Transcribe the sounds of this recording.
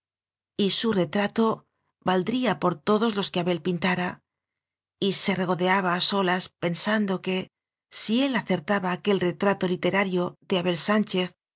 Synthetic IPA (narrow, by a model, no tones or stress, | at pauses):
isure̞t̪ɾat̪o̞ | βald̪ɾiapo̞ɾt̪o̞ðo̞zlo̞skeaβe̞lpint̪aɾa | ise̞re̞ɣ̞o̞ðe̞aβ̞aːso̞laspe̞nsand̪o̞ke̞ | sie̞laθe̞ɾt̪aβaːke̞lre̞t̪ɾat̪o̞lit̪e̞ɾaɾjo̞ðe̞aβe̞lsant͡ʃe̞θ